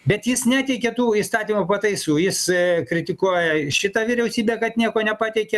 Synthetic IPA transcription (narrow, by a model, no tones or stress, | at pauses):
bʲɛt̪jɪsnʲæːt̪ʲɛɪkʲɛt̪uːiːst̪ɑːt̪ʲiːmupɐt̪ɐɪsuːjɪskɾʲɪt̪ʲɪkuɔjɛʃʲɪt̪ɑʋʲɪɾʲɛʊsʲiːbʲeːkɐt̪nʲiɛkoːnʲɛpɑːt̪ʲɛɪkʲɛ